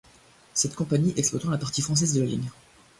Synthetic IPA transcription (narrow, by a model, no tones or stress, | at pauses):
sɛt̪kɔ̃paɲiʔɛksplɔt̪ɑ̃lapaʁt̪ifχɑ̃s̬ɛzd̪əlalḭɲ